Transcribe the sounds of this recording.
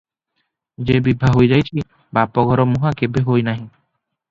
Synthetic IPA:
d͡ʒebibʱaɦojd͡ʒajt͡ʃʰi | bapɔɡʱɔɾɔmuɦakebeɦojnaɦĩ

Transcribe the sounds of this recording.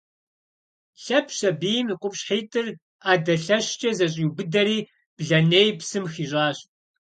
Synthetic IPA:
ɬɐpʰɕɐbiːjmɨqʷʼʊpɕħeːtʼɨr | aːdɐɬɐɕt͡ʃʼɐzɐɕ̬ʼiubɨdɐɾiː | b̥ɮɐneːjpsɨmxiːɕʼaːɕ

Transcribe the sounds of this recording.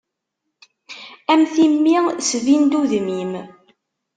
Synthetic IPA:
æmθimːisvind̪uðmim

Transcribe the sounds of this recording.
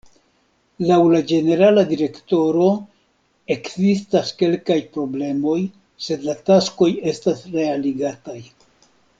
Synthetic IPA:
lawlad͡ʒe̞ne̞ɾaladiɾe̞kto̞ɾo̞ | e̞kzistaske̞lkajpɾo̞ble̞mo̞j | se̞d̪latasko̞je̞stasɾe̞aliɡataj

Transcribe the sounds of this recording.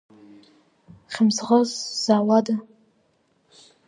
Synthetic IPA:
χʲɪmsʁʷazz̥aːwada

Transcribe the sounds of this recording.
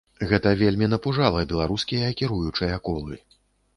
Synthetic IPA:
ɣɛt̪ɐvʲelʲmʲin̪ɐpuʐalˠɐbʲɛlˠaɾuskʲijɐikʲiɾujut͡ʂɐjɐkɔlˠɨ

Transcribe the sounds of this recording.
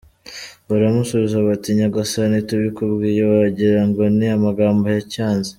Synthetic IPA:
βaɾamusuβizaβatiɲaɡasanituβikuβɡiːjeβaɟiɾaŋɡo̞niamaɡaːmbojacaːnze

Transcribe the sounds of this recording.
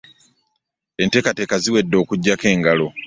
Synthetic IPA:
ente̞kate̞kaziwe̞dːo̞ːkuɟːake̞ːŋɡalo̞

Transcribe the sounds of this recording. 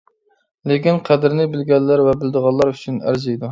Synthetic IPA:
lɪkʲinqʰæd̪ɪɾnɪbɪlɡʲɛlːæɾvɛbɪld̪əʁɑlˠːɑɾyt͡ʃʰynæ̰ɾzijd̪u

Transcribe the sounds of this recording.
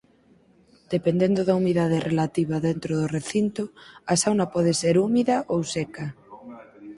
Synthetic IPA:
d̪̥epend̪end̪oðaumiðað̞erʔelat̪iβ̞aðent̪ɾoðoreθint̪oasawnapɔð̞eseɾumiðɐʔowseka

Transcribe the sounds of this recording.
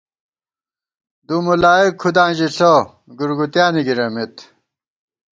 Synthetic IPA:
d̪umulaːekʰːud̪ãːnd͡ʑiɬo | ɡuɾɡut̪jaːniɡiɾɐmit̪

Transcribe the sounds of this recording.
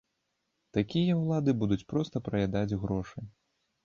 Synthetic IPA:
t̪akʲijɐwlˠad̪ɨbud̪ut͡sʲpɾɔst̪ɐpɾɐjʲad̪ad͡zʲɣɾɔʂɨj

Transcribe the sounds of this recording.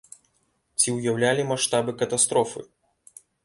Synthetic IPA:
t͡sʲiwjawlʲalʲimaʂt̪abɨkɐt̪ast̪ɾɔfɨ̰

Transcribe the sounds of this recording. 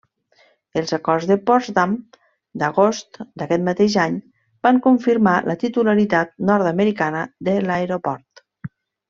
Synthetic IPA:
əlˠzakɔrzðəpɔzd̪am | d̪əɣost̪d̪əkɛt̪mat̪eʒaɲ | b̥aŋkuɱfiɾmalʔət̪it̪ulaɾit̪at̪̚nɔɾt̪əməɾikanəd̪əlaeɾopɔɾt̪

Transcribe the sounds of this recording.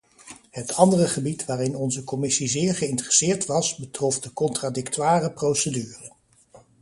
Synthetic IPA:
ɦətʰɑndərəχəbitʋaːrɪnɔnzəkɔmɪsizɪːɹχəɪntərəsɪːɹtʋɑsbətrɔfdəkɔntradɪktaːrəprowsədyːrə

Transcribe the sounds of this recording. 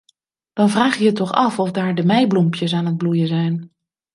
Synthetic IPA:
d̥ɑnvraːχjəətːɔχɑfɔfdaːɹdəmɛjblumpjəs̬aːnɦəd̚blujəzɛjn

